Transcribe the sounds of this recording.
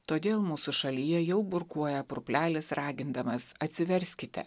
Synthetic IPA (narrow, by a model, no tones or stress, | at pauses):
t̪oːd̪ʲeːlˠmuːsʊʃɐlʲijɛjɛʊbʊɾkuɔjɛpɾʊpʲlʲæːlʲɪsɾɑːɡʲɪnd̪ɐmɐsɐt̪ʲsʲɪʋʲɛɾʲsʲkʲɪt̪ʲɛ̰